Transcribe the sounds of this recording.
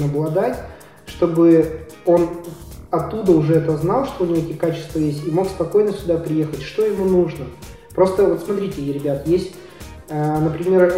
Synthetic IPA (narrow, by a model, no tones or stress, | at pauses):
ɐblˠɐd̪atʲ | ʂt̪o̞bɨ | o̞nɐt̪ːud̪əʊʐɛɛt̪əznɑlˠʂt̪oʊnʲɪɛtʲɪkat͡ɕɪ̥st̪vəjesʲtʲimo̞kspɐko̞jnəfsʲʊd̪apɾʲɪje̞xətʲʂt̪o̞jɪmunuʐnə | pɾo̞st̪əvo̞t̪smɐt̪ɾʲitʲɪɾʲɪbʲat̪jesʲtʲ | ənəpɾʲɪmʲe̞r